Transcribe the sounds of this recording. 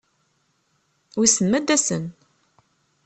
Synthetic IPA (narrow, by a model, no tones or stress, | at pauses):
wisəmːæd̪ːæsən